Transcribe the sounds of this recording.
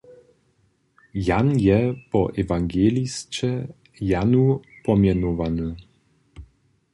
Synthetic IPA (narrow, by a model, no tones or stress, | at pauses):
janjɛpɔʔɛvaŋɡʲɛlʲist͡ɕɛ | janupɔmʲjɛnɔvanɘ